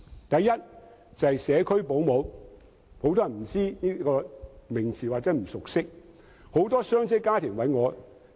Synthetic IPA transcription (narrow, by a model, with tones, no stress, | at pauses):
t̪ɐ˨jːɐ˥t̚ | t͡sɐ˨hɐ˨jsɛː˨˧kʰɵ˥ɥpo˨˥wmo˨˧w | ho˧˥wt̪̬ɔː˥jɐ˨˩m̩˨˩t͡siː˥niː˥kɔː˧mɪ˨˩ŋt͡sʰiː˨˩waː˨t͡sɛː˨˥m̩˨˩sʊ˨k̚sɪ˥k̚ | ho˨˥wt̪ɔː˥sœː˥ŋt͡sɪ˥kːaː˥t̪ʰɪ˨˩ŋwɐ˨˥jŋɔː˨˧